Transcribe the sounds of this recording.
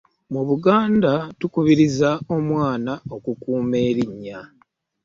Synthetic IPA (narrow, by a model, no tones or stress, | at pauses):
muβuɡaːndatukuβiɾizao̞mwaːnaokukuːme̞ːɾiɲːa